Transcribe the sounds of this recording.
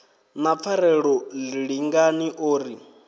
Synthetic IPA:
nap̪fʰaɾɛɺɔliɺiŋɡaniʔoːɾi

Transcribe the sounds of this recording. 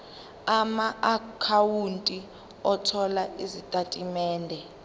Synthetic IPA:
amaakʰawuntʼi | ɔtʰɔlaizitʼatʼimɛːndʱɛ

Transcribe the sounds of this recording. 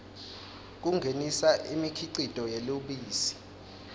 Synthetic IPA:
k̬uŋɡʱenisaʔimikʰiǀid̥ʱɔjeloɓiːsi̥

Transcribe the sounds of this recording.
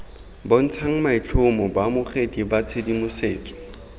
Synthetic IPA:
bɔn̩t͡sʰaŋ̩mait͡ɬʰʊmʊbamʊχedibat͡sʰedimʊseːkʼi̥

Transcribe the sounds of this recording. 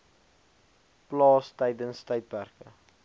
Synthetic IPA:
plɑːstɛjdənstɛjt̚pærkə

